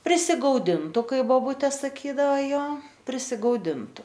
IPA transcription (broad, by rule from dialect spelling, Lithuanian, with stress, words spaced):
pʲrʲɪsʲɪɡɐʊˈdʲɪndʊ ˈkɐɪ ʋoːˈbʊtʲeː sɐˈkʲiːdɐʋɐ ˈjoː pʲrʲɪsʲɪɡɐʊˈdʲɪntʊ